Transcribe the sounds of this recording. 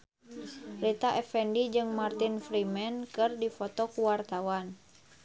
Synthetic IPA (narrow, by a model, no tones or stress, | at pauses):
rit̪aʔɛfɛndid͡ʒɨŋmart̪infɾimɛnkɨrdifɔt̪ɔkuwart̪awan